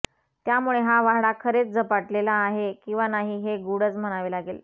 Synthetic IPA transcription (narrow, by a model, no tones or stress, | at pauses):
t̪jamuɭeɦaʋaɦɽakʰəɾet͡sd͡zəpaʈlelaːɦekĩw̃ʋanaɦiːɦeɡuɽət͡sm̤əñaʋelaɡel